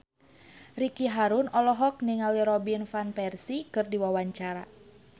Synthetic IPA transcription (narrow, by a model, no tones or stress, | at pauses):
rikiɦaɾunɔlɔɦɔk̚niŋaliɾɔbinfanpɛrsikɨrdiwawaɲt͡ʃaɾa̰